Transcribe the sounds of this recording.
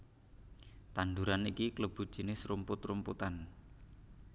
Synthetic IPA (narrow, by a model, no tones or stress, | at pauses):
t̪and̪uɾanikikləb̥ṳd̥ʒ̥i̤nɪsrumpʊt̪rumput̪an